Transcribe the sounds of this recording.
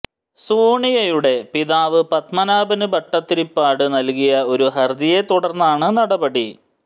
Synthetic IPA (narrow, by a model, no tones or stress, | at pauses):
suːɳijɐjuɽe̞piðaːʋɨpɐt̪mɐnaːbɐnɨbɐʈːɐt̪ːiɾipːaːɽɨnɐlkijɐo̞ɾuɦɐrd͡ʑijet̪uɽɐrnːaːɳɨnɐɽɐbɐɽi